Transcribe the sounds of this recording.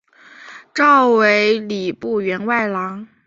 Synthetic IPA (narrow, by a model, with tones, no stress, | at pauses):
ʈ͡ʂɑ˥˩ʊwe˧˥ɪli˨˩pu˥˩ɥɛ˧˥nwa˥˩ɪlɑ˧˥ŋ